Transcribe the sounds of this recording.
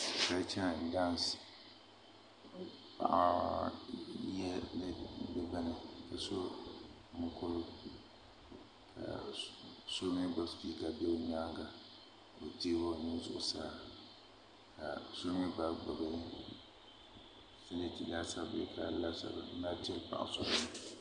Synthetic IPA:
ka˨˦t͡ʃɛ˦˨n˨da˦n˨s | pa̰˦ʔa˨ | jɛ˦lbɛ˦ba˦nɪ˨ka˨so˦ | mʊ˦kʊ˦lʊ˦ | kʰa̰˨ | so˦ŋɪ˦ba˦spiː˦ka˨bɛ˦o˨ɲa˦ŋɡa˨ | o˨teː˦wo˦˨nɪ˦zʊ̰˦ʔʊ˨saː˦ | ka̰˨so˦mɪ˦ba˦ɡ͡ba˨ba˦nɪ˦ | fɛ˦lɪ˦tɪ˨daː˦sa˦bɪ˨kʰa˦la˦sa̰˨ba˨˦na˦ti˦ɛ˦pa̰˨ʔa̰˨sʊ˦˨

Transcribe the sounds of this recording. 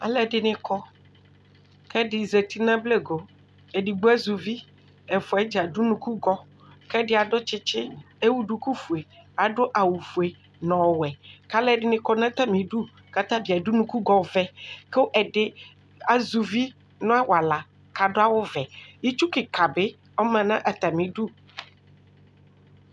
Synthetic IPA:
a̰˨lɛ˨ɖɪ˨nɪ̃˨kɔ˦ | kɛ˦dɪ˨ze˨t̪i˦nã˦ble˦ɡo˨ | e˨ɖi˨ɡ͡bu˦a˦zu˨vi˦ | ɛ˨fʊ˨a˨˦d͡ʒa˨du˦nũ˦ku˦ɡɔ˦ | kɛ˦dɪ˦a˨ɖʊ˦t͡ʃɪ˦t͡ʃɪ˦ | e˦wu˦ɖu˨ku˦fu˨e˨a˨ɖʊ˦ʔa˨wu˨fu˨e˨ | nɔ̃˨wwɛ˨ka˦lɛ˦˨ɖɪ˦nɪ̃˨kɔ˦nã˦t̪a˦mĩ˨ɖu˦ | ka˦t̪ã˦bi˨a˨du˦nũ˦ku˦ɡɔ˨˦vɛ˨ke˦ʔɛ˨ɖɪ˦ | a˨zu˨vi˦ | nɔ̃˦a˦wa˨la˨ | ka˨dʊ˦a˦wʊ˦vɛ˨ji˦t͡ʃu˦kɪ˨ka˨bɪ˦ | ɔ˦mã˨nã˦ʔa˨t̪a˨mĩ˨ɖu˦

